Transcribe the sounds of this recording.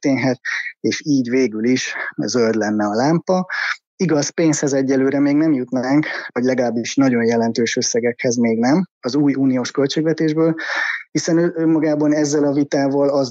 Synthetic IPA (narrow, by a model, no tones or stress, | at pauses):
t̪eːɲɦɛt̪̚eːʃiːɟveːɡyliʃzøld̪lɛnːɛɒlaːmpɒ | iɡɒspeːnshɛzɛɟːɛløːɾɛmeːɡnɛmjut̪naːŋkɒɟlɛɡɒlaːbːiʃnɒɟo̞njɛlɛnt̪øːʃø̞sːɛɡɛkhɛzmeːɡnɛmɒzuːjuːnijoːʃkø̞lt͡ʃeːɡvɛt̪eːʒbøːlhisɛnøʔømːɒɡaːbɒnɛzːɛlɒvit̪aːvɒːlɒz